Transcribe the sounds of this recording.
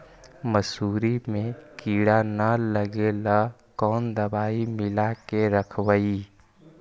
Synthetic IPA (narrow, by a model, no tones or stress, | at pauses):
məsuːɾimẽkiːɽanələɡela | kɔːnd̪əbaːimɪlakeɾəkʰwəi